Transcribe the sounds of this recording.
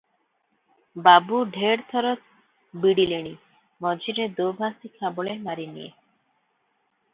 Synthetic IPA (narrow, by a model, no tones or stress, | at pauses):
babuɖʱeɾt̪ʰɔɾot̪ | biɽileɽi | mɔd͡ʑiɾed̪obʱasikʰaboɭemaɾinḭjḛ